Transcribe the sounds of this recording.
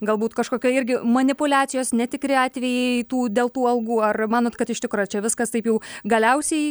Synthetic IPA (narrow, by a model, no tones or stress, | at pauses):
ɡɐlˠbuːt̪kɐʃkoːkʲoːɪɾʲɡʲɪmɐnʲɪpʊlʲæːt͡s̪sʲɪjoːsnʲɛt̪ʲɪkɾʲɪɑːt̪ʲʋʲɛjɛɪt̪uːd̪ʲeːlˠt̪uːɐlˠɡuːɐrmɑːnoːt̪kɐt̪ɪʃʲt̪ʲɪkɾot͡ʃʲɛʋʲɪskɐst̪ɐɪpjɛʊɡɐlʲɛʊsʲɛɪ